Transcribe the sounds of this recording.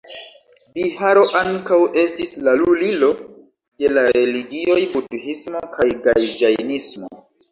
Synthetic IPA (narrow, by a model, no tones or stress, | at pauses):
bihaɾo̞ʔaŋkawe̞stislalulilo̞ | de̞laɾeliɡio̞jbutuhismo̞kʰajɡajd͡ʒajnismo̰